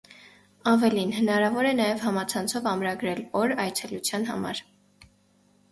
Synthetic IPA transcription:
ɑvɛlinɦənɑɾɑvɔɾɛnɑjɛvhɑmɑt͡sʰɑnt͡sʰɔvɑmɾɑɡɾɛlɔɾɑjt͡sʰɛlut͡sʰjɑnɦɑ̰mɑ̰ɾ

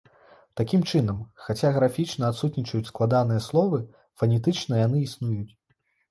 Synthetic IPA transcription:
t̪akʲimt͡ʂɨnɐmxat͡sʲaɣɾafʲit͡ʂnɐat̪sut̪nʲit͡ʂɐjut͡sʲsklˠad̪an̪ɨjɛslˠɔvɨ | fɐnʲɛt̪ɨt͡ʂnɐjan̪ɨisnujut͡sʲ

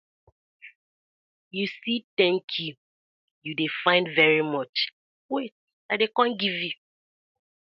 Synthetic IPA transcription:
jusitɛ̃ŋkʰju | judefãɪ̃ndvɛɹimɔt͡ʃ | wet̚ | aɪdekãnɡivju

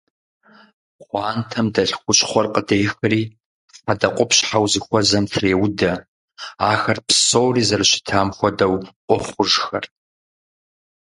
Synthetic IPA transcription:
qʷɑːntʰɐmdɐɬxʷʊɕʼχʷɔrqədejxɨriː | fadɐqʷʼʊpʰɕħawzɨxʷɔzɐmtʰreːwʊdɐ | aːxɐrpʰsoːwriːzɐrɨɕɪ̥tʰaːmxʷɔdɐwʔʷɔχʷʊʒxɐ̰r

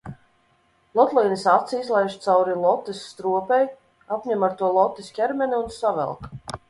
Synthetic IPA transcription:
lˠɔt̪lˠijnisat̪siizlˠɛjʃt̪sawɾilˠɔt̪ːisːt̪ɾuɔpɛj | apɲʲɛmaɾt̪uɔlˠɔt̪ːisʲkʲɛɾmʲɛniunsavɛ̰lˠk

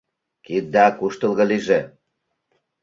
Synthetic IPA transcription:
kit̪̚d̪ɑkuʃt̪ə̆lˠɣɤ̆liʒe

